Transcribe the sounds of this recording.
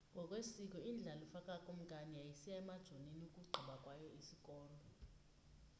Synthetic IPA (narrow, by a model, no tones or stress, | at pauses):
ŋɡʱɔk̬ʼwesik̬ʼɔind͡ɮʱalɔfakʼakʼom̩kʼanijajisijaɛmad̥ʒ̥ʱoninukʼuɡ͡ǃʱiɓakʼwajɔisikʼɔːlɔ